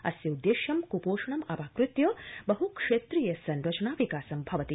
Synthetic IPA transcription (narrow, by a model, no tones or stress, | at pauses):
ɐ̰sjɐud̪ːeːʃjɐmkupoːʂɐɳɐmɐpaːkɾut̪jɐːbɐɦukʂeːt̪ɾiːjɐsɐnɾɐt͡ʃɐɳaːʋikaːsɐmbʱɐʋɐt̪i